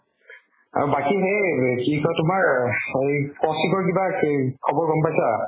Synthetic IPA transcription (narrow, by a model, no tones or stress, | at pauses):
a̰ɹbakiɦekikɔtʊmaɹejpɔsikɔɹkibakʰɔbɔɹɡɔmpajsa